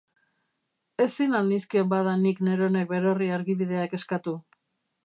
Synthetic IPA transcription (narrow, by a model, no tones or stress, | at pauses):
e̞sinalniskiembaðanikne̞ɾo̞ne̞k̚be̞ɾo̞riaɾɣiβið̞e̞ake̞skat̪u